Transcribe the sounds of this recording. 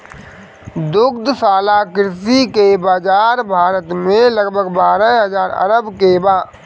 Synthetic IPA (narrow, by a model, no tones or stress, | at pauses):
d̪ʊkd̪saːlakɪɾsikebaːd͡ʒaːɾbʱaːɾət̪mẽləɡbʱəɡbaːɾəɦɐzaːɾɐ̰ɾəbkebaː